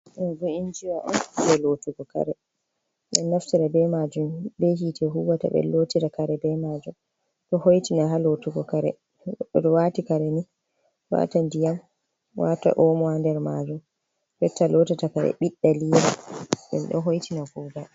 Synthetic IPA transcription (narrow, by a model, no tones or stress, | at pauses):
ɗɛbuind͡ʒiwaʔɔ̰nuɾɛlotuɡɔka̰ɾɛ | ɓɛnːaftiɾabɛmad͡ʒumbɛɦitɛɦuwata̰ɓɛ̰lotiɾakaɾɛbɛmaːd͡ʒum | ɗɔhojtinaɦalotuɡɔkaɾɛ̰ | ɔdɔwatikaɾɛni | wa̰tandijam | wʔata̰ʔɔmɔandɛɾmad͡ʒum | ɓɛtalotatakaɾɛ̰ɓiɗːaliːɾaɗɛ̰nɗɔɦojtinaɡuːɡa